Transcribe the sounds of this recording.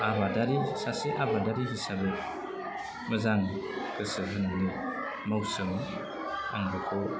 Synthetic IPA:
aβadaɾisaseʔabadaɾiɦisabɯ | mɯzaŋkʰɯsɯɦɯnɯni | mawsɯm | a̰ŋbɯkʰɔ

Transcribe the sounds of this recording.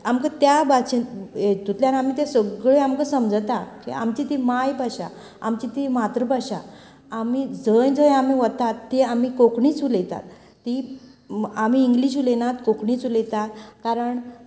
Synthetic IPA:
amkət̪jabat͡ɕinet̪ut̪ljaɾam̤it̪ẽsəɡɭeamkəsəmd͡zt̪akḭa̰mt͡ɕit̪imajbʱaɕa̰ | a̰mt͡ɕit̪imat̪ɾəbʱaɕa | amid͡zəjd͡zəjamiʋət̪at̪ːeamikokɳiːt͡sulejt̪a̰t̪ː | i | amiːŋɡliɕulenat̪kokɳiːt͡sulejt̪at̪kaɾəɳ

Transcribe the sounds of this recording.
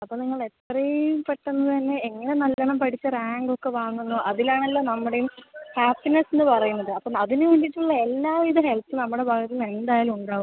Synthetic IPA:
ɐpːoːniŋːɐɭe̞t̪rɐjpeʈːunːɐt̪ɐnːe̞ːŋːɐne̞nɐlːɐɳɐmpɐʈʰit͡ɕːɐraːŋɡo̞kːe̞ʋaːŋːunːoːʔɐðilaːɳɐlːoːnɐmːuɽejumhaːpːinɐsenːɨpɐrɐjunːɐðɨɐpːoːɐðinɨʋɐnɖiʈːuɭːɐe̞lːaːʋiðɐɦe̞lpːɨnɐmːuɽe̞bʱaːɡɐt̪ie̞nd̪aːjalmuɳɖaːɣum

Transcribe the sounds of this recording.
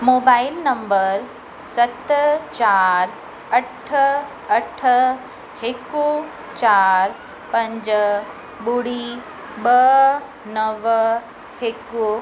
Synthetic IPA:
moːbaːɪlnɐ̃mbəɾ | sɐt̪t͡ɕaːɾ | ɐʈʰ | ɐʈʰə | heku | t͡ɕaːɾ | pɐ̃ɲd͡ʑ | ɓuɽi | bɐ | nɐʋ | heku

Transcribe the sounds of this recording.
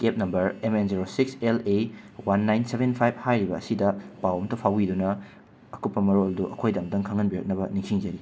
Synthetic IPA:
kep̚nɐmbɐɾemenziɾosiksele | wanːajnsebenpʰajb̚hajɾibɐːsidɐpawɐmtɐpʰawidunɐ | ɐkut̚pːɐmɐɾolduʔɐkʰojdɐmdɐŋkʰɐŋɐnbiɾɐk̚nɐbɐniŋsiŋd͡ʒɐɾi

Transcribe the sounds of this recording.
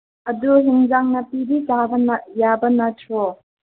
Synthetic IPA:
ɐduɦiŋzaŋnɐpibid͡ʒabɐnjabɐnɐtʰɔ

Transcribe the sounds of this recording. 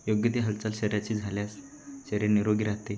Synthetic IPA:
joɡjət̪iɦəlt͡salɕəɾjat͡ɕiːd͡zʱaljas | ɕəɾjeniɾoɡiɾaɦt̪e

